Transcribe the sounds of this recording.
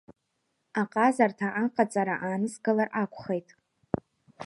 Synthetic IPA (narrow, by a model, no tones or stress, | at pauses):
aqʼazartʰaʔaqʼat͡sʼaɾaʔaːnɨsɡɨlarakʷʰʼχejtʼ